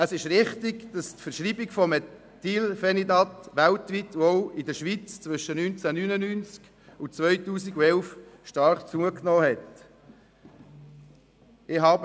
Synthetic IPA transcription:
əsɪʃɾɪχtɪɡd̥ɑstfəɾʃɾiːbɪɡfɔmɛ | t̪ilfɛnidɑt̪ʋæltʋit̪ɔwɪdəʃʋit͡st͡svʏʃənynt͡sænyːnənyːnt͡sk | ʊt͡sʋœʏtuːsiɡuɛlfʃtɑɾχt͡suəknɔːhɛt | ɪɦɑːbə

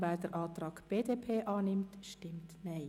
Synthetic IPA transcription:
vɛːɾdəɾʔɑːt̪rɑːkb̥eːdepʰeːʔɑːnɪmtʃtɪmtnɛɪ

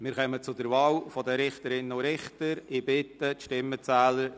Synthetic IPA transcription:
mɪːɾχœmət͡sʊdəɾvɑːlfɔdəɾɪχtəɾɪnʊɾɪχtəɾɪbɪtət̪ʃtɪmːət͡sæːləɾ

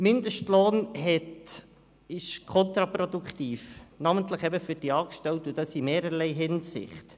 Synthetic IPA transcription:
mɪndəʃtloːnɦɛt | ɪʃkʰɔnt̪ɾɑpɾodukχt̪iːfnɑməntləχɛbəfyɾd̥iɑːkʃtɛltud̥ɑsimeːɾəɾlɛɪɦɪnsɪ̰χt

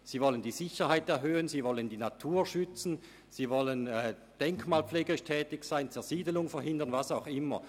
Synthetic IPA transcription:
z̥iːvɔləndiːzɪçɐhaɪtɛɐɦøːənziːvɔləndiːnatʰuːɐʃʏt͡sn̩ | z̥iːvɔlənɛː | d̥ɛŋkmaːlpp͡fleːɡəɪʃtʰɛːtɪçsaɪnt͡sɛɐziːdəlʊŋfɛɐhɪndɐnvasaʊxʔɪmɐ̰

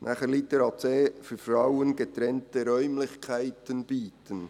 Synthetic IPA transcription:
nʔæχəɾlit̪əɾɑtt͡seːfyfɾawənɡet̪ɾɛntəɾœʏmlɪçkʰæɪtənb̥iːtʰən

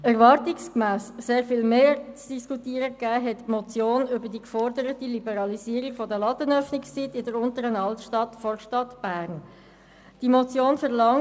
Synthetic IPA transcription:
ɛʁʋɑɾtɪkskmæːsseːɾfiːlmeːt͡sd̥iskutiːəɾəkːæːɦɛtmɔt͡sjoːnʏbədikfɔɾdəɾətilibəɾɑlisiːəɾiɡfɔdəlɑtənœfnɪkst͡sitɪdəɾʊntəɾənɑltʃtɑtfɔɾʃtɑtb̥æːʁn | d̥imɔt͡sjoːnfɛʁlɑŋ

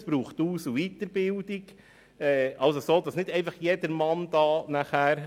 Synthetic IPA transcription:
sb̥ɾuːχt̪uːsuʋiːt̪əɾbɪld̪iɡ | ɛːʔɑlsosoːd̥̪ɑsnɪdɛɪfɑχjedəɾmɑnd̪̥ɑːnæχæːɾ

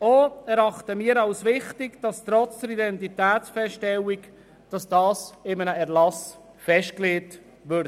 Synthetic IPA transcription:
oːɛɾɑχtəmiːəɾɑwsvɪχtɪɡd̥ɑstɾɔt͡sd̥əɾidɛntitæːsfɛstɛlik | d̥ɑsd̥ɑːsɪmənəɛɾlɑs | fɛʃt̚kleːt | vøɾdə

